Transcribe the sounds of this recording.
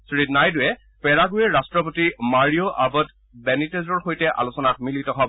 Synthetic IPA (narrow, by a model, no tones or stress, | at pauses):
sɹitnajdʊjɛ | pɛɹaɡʊjɛɹastɹɔpotimaɹioʔabɔt | bɛnitezɔɹxojtɛʔa̰lusɔnat̚militɔɦɔb